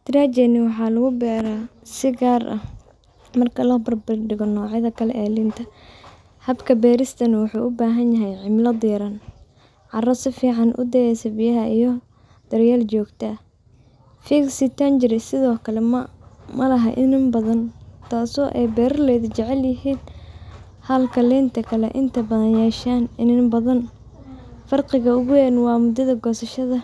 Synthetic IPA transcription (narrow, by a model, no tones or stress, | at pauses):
t̪ɾad͡ʒɛnɪwɑħɑːlɐɣʊbɛːɾasɪɡaːrʔɐ̰ | mɐrkʰɐlɐbɐrbɪrɖɪɣɔnɔːʕɪðɐkʰɐlɛʔːlɪnt̪ʰɐ | hɐbkʰɐbɛːɾɪst̪ʰɐnɐwʊħuːʔʊbaːɦɐnjɐɦɛjʕɪmlɐd̪iːɾɐn | ʕɑrɐsɪfiːʕɑnʔʊ̰d̪ɛjɛsɐbɪjɐɦɐijɞ | d̪̥ɐɾjaːlt͡ʃɔːɡt̪ʰɐ | fiksɪt̪ʰɐnd͡ʒɪɾɪsɪðɔːkʰɐlɛmmɐlɐɦɐʔɪ̰nɪmbɐðɐnt̪ʰaːsɔːʔɛjbɛːɾɐlɛjðʊt͡ʃɛʕɛljɪɦiːn | hɐlkʰɐlɛːnt̪ʰɐkʰɐlɛ̰ʔɪnt̪ʰɐbɐðɐnjɛːʃaːnɪnɪbɐðɐn | fɐrqɪɣɐʊɣʊjɛːnwɑːmʊd̪ɐðɐɡɔːsɐʃɐðɐ